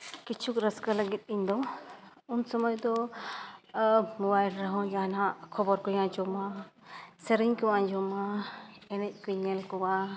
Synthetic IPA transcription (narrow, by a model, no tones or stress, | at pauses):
kit͡ʃʰukɾəskaləɡit̪̚ˀiɲd̪ɔ | unsɔmɔjd̪ɔ | mɔbajlɾaɦɔ̃d͡ʒanãkʰɔbɔɾkɔjãd͡ʒɔma | səɾiɲkɔwãd͡ʒɔmaɛnɛc̚ˀkiɲɛlkɔwa